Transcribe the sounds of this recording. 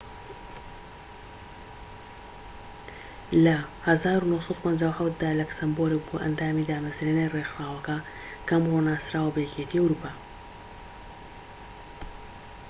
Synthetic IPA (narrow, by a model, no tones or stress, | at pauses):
lɐhɐzaːɾunohsˤɑd̪upʰɐnd͡ʒaːwħawt̪̚d̪aːlɐksɐmboɾeboʔɐ̰nd̪aːmid̪aːmɐzɾenajrexɾaːwɐkɐ | kʰɐmronaːsɾaːwɐbɐjɛkeːt̪ʰiːɐwɾupʰaː